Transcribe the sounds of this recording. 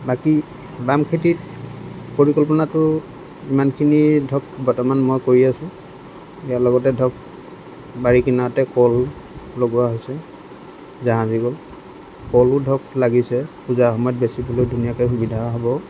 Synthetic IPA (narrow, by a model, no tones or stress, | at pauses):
baki | bamkʰetit | poɹikɔlp̬ɔnatʊ | imankʰinidʱɔk̚bɔtɔmanmɔjkoɹiasʊ̃ | ijalɔɡɔtɛdʱɔk̚ | baɹikinaɔtɛkɔl | loɡɔaɦojsɛ | zaɦãziɡol | kɔlʊdʱɔklaɡisɛpuzaxɔmɔjɔt̚besibulojdʱunijakɔjxubidʱawaɦɔbɔ